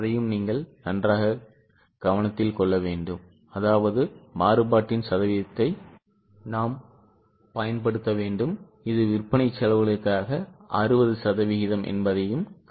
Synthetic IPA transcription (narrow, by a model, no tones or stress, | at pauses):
ɐðɐjɯmniːŋɡɐɭnɐndraːɣɐ | ɡ̥ɐʋɐnɐt̪ːɪlkɔɭːɐʋeːɳɖɯm | ɐðaːʋɐðɯmaːrɯpaːʈːɪnsɐðɐʋɪðɐt̪ːɐɪ | naːm | pɐjɐnpɐɽɯt̪ːɐʋeːɳɖɯm | ɪðɯʋɪrpɐɳɐɪt͡ʃːɐlɐʋɐɭɯkːaːɣɐʔɐrɯbɐðɯsɐðɐʋɪɣɪðɐmʔɛ̰nbɐðɐjɯm